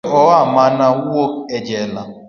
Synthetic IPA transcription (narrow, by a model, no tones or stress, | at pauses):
ɔamanawoed͡ʒɛla